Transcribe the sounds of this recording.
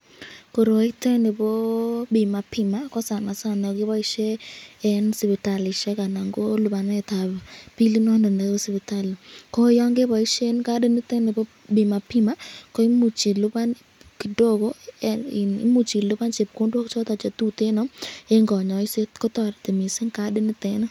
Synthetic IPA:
ko˨ɾo˨i˦t̪ɛ˦ne˨bo˦bi˨ma˨pɪ˨ma˦kɔ˦sa˨na˨sa˦˨nɔ˨ɡɪ˦bɔ˦ɪ˦ʃe˦ɛ˦nsi˨bi˨ta˨lɪ˨ʃe˦ka˨na˨ŋɡo˦lʊ˨ba˨n˦ɛ˨t̪a˨bpi˦li˦nɔ˦ndɔ˨ndɛ˦ɡo˦si˨bi˨ta˦lkɔ˦jɔ˦ŋɡe˦bɔ˨ɪ˦ʃe˦nka˦de˦ni˦t̪e˦ne˨bo˦ | bi˨ma˨pɪ˦ma˦kɔ˦i˦mu˨t͡ʃi˨lʊ˦ba˦n | ki˨do˦ɡo˦ɪ˨nɪ̰˦mu˨t͡ʃi˨lʊ˦ba˦nt͡ʃe˨p̚ko˦ndwɔ˦kt͡ʃɔ˦t̪a˨t͡ʃa˨t̪u˦t̪e˦nɔ˨˦e˦ŋɡɔ˨ɲɔ˨ɪ˦se˦tkɔ˦t̪ɔ˨ɾt̪e˨mi˨sɪ˦ŋka˦dɪ˦ni˦t̪ɛ˦n˦

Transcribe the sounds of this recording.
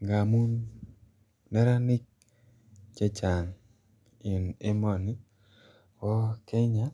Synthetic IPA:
ŋɡa˨mu˦n | nɛ˦ɾa˦nɪ˦k̚ | t͡ʃe˦t͡ʃa˨ŋ | ɪ˨ne˦mɔ˨ni˦ | wɔ˦kɛ˦ɲa˦

